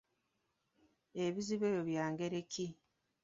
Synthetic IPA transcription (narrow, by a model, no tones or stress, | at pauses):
eβiziβe̞ːjoβjaːŋɡe̞ɾeki